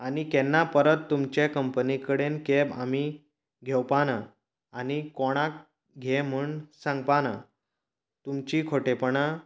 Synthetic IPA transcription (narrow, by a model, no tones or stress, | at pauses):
anikɛnːapəɾət̪ːumt͡ɕekəmpənikəɽenkebami | ɡʱɛwpana | anikɔɽ̃ak | ɡʱɛm̤əɳsãŋɡ̚pana | t̪umt͡ɕikʰoʈepɳa